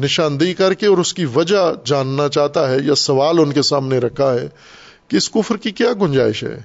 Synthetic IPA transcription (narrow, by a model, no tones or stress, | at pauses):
nɪʃaːnd̪ikɐɾkeɔːɾʊskiʋɐd͡ʒad͡ʒaːnːat͡ʃaːɦt̪aɦɛjasɐʋaːlʊnkesaːmneɾɐkʰaɦɛː | kiɪskʊfɾkikjaːɡʊ̃ɲd͡ʒa̰ːɪʃɦɛ̰ː